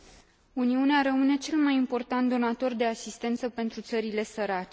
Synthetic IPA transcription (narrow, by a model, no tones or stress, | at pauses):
uniuneaɾəmɨne̞t͡ʃe̞lmajimpo̞rt̪ant̪d̪o̞nat̪o̞rd̪e̞asist̪e̞nt̪səpe̞nt̪ɾut̪səɾile̞səɾat͡ʃe